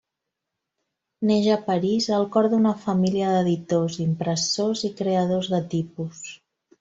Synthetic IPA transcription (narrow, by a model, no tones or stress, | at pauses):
neʒəpəɾizəlˠkɔɾðunəfəmiliəðəðit̪ozimpɾəsozikɾeəð̞ozðət̪ipus